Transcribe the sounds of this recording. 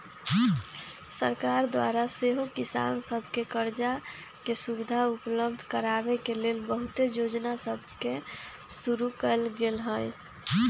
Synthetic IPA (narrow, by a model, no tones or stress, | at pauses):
səɾkaɾd̪wa̰ɾaseɦokisa̰ːnsəbʱkekəɾd͡ʒakesubid̪ʱaupləb̚d̪ʱkəɾabekelelbəɦut̪ejod͡ʒnasəb̚ʱkesuɾukəlɡelɦə̃j